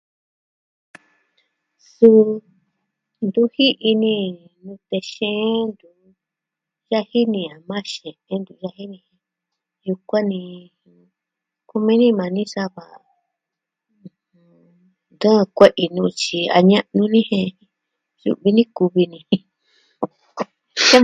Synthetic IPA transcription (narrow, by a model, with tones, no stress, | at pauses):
su˦˧ | nd̪u˦hi˦ʔi˧nĩ˧ | nũ˧t̪e˧ʃẽ˦ʔnd̪u˨ | ʒa˦hi˦nĩ˧a˨mã˦ʃẽ˨ʔẽ˧˦nd̪u˧ʒa˦hi˦nĩ˧hẽ˧ | ju˧kʷã˦nĩ˧ | ku˧mĩ˦nĩ˦mã˨nĩ˦sa˦βa˨ʔ | h | ũ˧ | nd̪ə̃˦˧kʷe˦ʔi˧nũː˧t͡ʃi˧a̰˧ɲã˦nũ˧nĩ˦hẽ˧ | jṵ˧βi˧nĩ˦ku˧βi˧nĩ˧ | e˦